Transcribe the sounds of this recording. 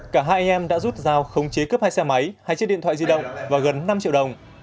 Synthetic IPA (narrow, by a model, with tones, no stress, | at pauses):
kaː˧˩ɦaː˧jʔa˧nʔɛ˧mɗa̰ː˧˥zu˦˥t̚zaː˨˩wxə˨˦wŋ͡mt͡ɕe˨˦kə˦˥p̚haː˧jsɛ˧ma˨˦jhaː˧jt͡ɕ̚ɗḭ˧˨nt̪wa̰ː˧˨zi˧ɗə̰˧˨wŋ͡mvaː˨˩ɣə˨˩nːa˧mt͡ɕḭ˧˨wɗə˨˩wŋ͡m